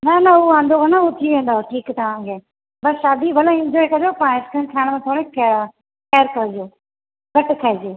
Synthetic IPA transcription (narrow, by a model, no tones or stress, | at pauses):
nɐnɐuːãːnd̪okʰənaʊt̪ʰiʋẽːn̆d̪aːɦoʈʰiːkt̪ɐʋ̤ãkʰeː | bɐsʃaːd̪ibʱɐlaɪ̃nd͡ʒɔːekɐd͡ʒoːpãːɪskʰənkʰaːɽ̃mãt̪ʰoːɽek | keːəɾkɐɾd͡ʒoː | ɡɐʈkʰəed͡ʒeː